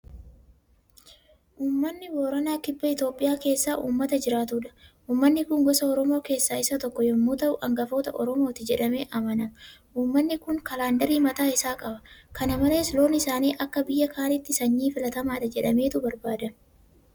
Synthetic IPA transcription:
ʔuːmːɐnːɪboːɾɐnaːkɪbːɐɪt̪o̞ːpʼːɪjaːke̞ːsːaːʔṵːmːɐt̪ɐd͡ʒɪɾaːt̪uːᶑɐ̥ʔuːmːɐnːɪkʊŋɡɔsɐɔɾɔmo̞ːke̞ːsːaːɪsɐt̪ɔkːɔjɔmːuːt̪ɐʔʊʔɐŋɡɐfo̞ːt̪ɐʔɔɾɔmo̞ːt̪ɪd͡ʒɛᶑɐme̞ːʔɐmɐnɐmɐʔuːmːɐnːɪkʊŋkɐlaːnd̪ɐɾiːmɐt̪aːɪsaːkʼɐbɐkɐnɐmɐle̞ːslo̞ːnɪsaːniːʔɐkːɐbɪjːɐkaːnɪt̪ːɪsɐɲːiːfɪlɐt̪ɐmaːᶑ̪ɐd͡ʒɛᶑɐme̞ːt̪ʊbɐɾbaːd̪ɐm

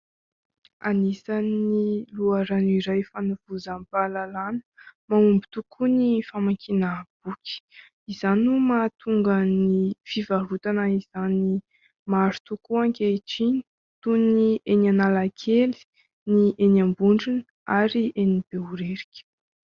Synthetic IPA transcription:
a̰nisaniluaɾaniɾajfanuv̥uzampalalanə̥maumbit̪ukʰunifamakʰinab̥ukʲi̥ | izanumat̪ʰuŋɡənifivaɦut̪anəiz̥ani | maɾu̥t̪ukuaŋkʲeʈ͡ʂini̥ | t̪uniʔenanalakʰeli̥ | niʔenambuɳɖ͡ʐunə | aɾiʔenib̥euɾeɾikʲə̥

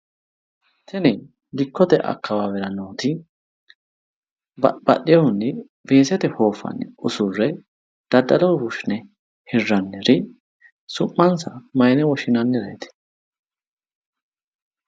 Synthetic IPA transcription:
t̪ʰɛnɛ | lɪkːɔt̪ɛʔɐ̰kːɐwaːwɛɾɐnoːt̪ɪ | bɐ̰ɗɪjɐhʊnːɛ | ve̞ːsɛt̪ɛho̞ːfːɐ̰nːɛʊsʊrːɛ | d̪̥ɐd̪ːɐlɐwbʊʃnɛ | hɪrːɐnːɛɾɪ | sʊmːɐnsɐmɐjnɛwɔʃɪnɐnːɛɾɐjt̪ɛ̥

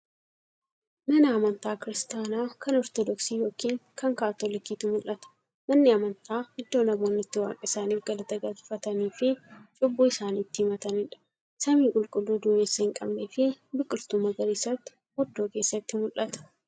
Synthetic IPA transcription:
mɐnɐɐmɐnt̪aːkɪɾɪst̪aːnaːkɐnɔɾt̪ɔd̪ɔksiːjo̞ːkiːŋkɐŋkaːt̪olɪkiːt̪ʊmʊlʔɐt̪ɐ̥ | mɐnːɪɐmɐnt̪aːhɪd̪ːo̞ːnɐmoːnːɪt̪ːɪwa̰ːkʼɐɪsaːniːfɡɐlɐt̪ɐɡɐtfɐt̪ɐniːfɪt͡ʃʼʊbːuːɪsaːniːt̪ːɪhɪmɐt̪ɐnɪᶑɐ̥ | sɐmiːkʼʊlkʼʊlːuːd̪ʊmeːsːɐhɪŋkʼɐ̰bnefɪbɪkʼːʊlt̪ʊmɐɡɐɾiːsɐt̪ːɪ̥ | hɔd̪ːo̞ːke̞ːsːɐt̪ːɪmʊlʔɐt̪ɐ̥

